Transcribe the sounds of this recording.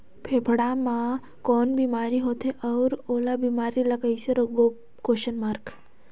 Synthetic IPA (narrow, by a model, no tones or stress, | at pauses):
pʰeːpʰɽamã | kɔːnbiːmaːɾiɦoːt̪eʔɐʊɾoːlabiːmaːɾilɐkəiseɾoɡo | koːʃənmaːɾk